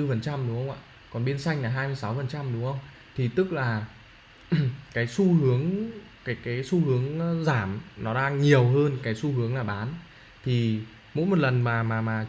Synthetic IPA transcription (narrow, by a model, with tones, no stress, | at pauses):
ɨ˧fə˨˩nt͡ɕa˧mɗʊ˨˦ŋ͡mhə˧wŋ͡mʔa̰ː˧˨ | kɔ˨˩nɓi˧ənsa˧jŋ̟laː˨˩ɦaː˧jmɨ˧jsa˨˦wfə˨˩nt͡ɕa˧mɗʊ˨˦ŋ͡mhə˧wŋ͡m | t̪ʰi˨˩t̪ɨ˦˥k̚laː˨˩ | kaː˨˦jsu˧hɨ˨˦əŋ | kaː˨˦jkaː˨˦jsu˧hɨ˨˦əŋzaː˧˩mnɔ˨˦ɗaː˧ŋɲi˨˩əwɦəː˧nkaː˨˦jsu˧hɨ˨˦əŋlaː˨˩ɓaː˨˦n | t̪ʰi˨˩ | mo̰˧˥jmo˨˩t̚lə˨˩nmaː˨˩maː˨˩maː˨˩